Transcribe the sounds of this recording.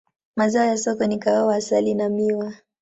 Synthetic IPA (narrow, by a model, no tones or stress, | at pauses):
mazaɔjasɔkɔnikaawasalinamiwa